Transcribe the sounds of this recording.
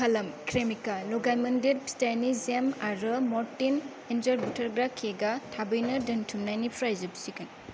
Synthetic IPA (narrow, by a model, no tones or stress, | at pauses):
ɐlɐmkʰɾemikalɔɡajmɐndeɾpstajnizemaɾɯmɔɾtin | end͡ʒɐɾbutʰɐɾɡɾakʰeɡatʰabɐjnɐdɐntʰumnajnipʰɾajzɐbsikɐn